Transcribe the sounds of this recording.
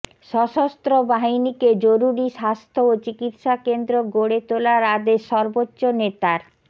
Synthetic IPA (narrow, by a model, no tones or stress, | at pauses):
ʃɔʃost̪ɾobaɦiniked͡ʑoɾuɾiʃast̪ʰoot͡ɕikit̪ʃakend̪ɾoɡoɽet̪olaɾad̪eʃɔɾbotːɕonet̪aɾ